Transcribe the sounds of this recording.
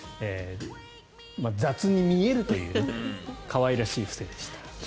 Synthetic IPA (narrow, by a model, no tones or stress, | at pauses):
e | mad͡zat͡sɨɲ̟imʲie̞ɾɯ̟t̪o̞jɯ̟̰ːkʰaβaiɾaɕiːfɯ̟̥se̞ːd̪eɕi̥t̪ḁ